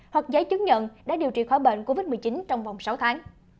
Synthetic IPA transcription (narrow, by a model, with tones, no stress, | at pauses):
hwa˨˩k̚zə˨˦jt͡ɕɨ˨˦˥ŋ̚ɲə̰˧˨nɗa̰ː˧˥ɗi˨˩wt͡ɕḭ˧˨˩xɔ˧˩jɓḛ˧˨nko˧vi˦˥t̚mɨ˨˩t͡ɕi˨˦nt͡ɕɔ˧wŋ͡mva˨˩wŋ͡msa˨˦wt̪ʰaː˨˦ŋ